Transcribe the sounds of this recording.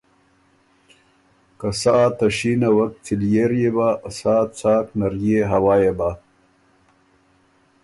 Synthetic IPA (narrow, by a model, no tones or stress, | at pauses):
kasaʔt̪ɐɕiːnawɐk̪̚t͡sʰiljeɾjebaʔɐsaːt͡saːknɐɾjeɦɐwaːjeba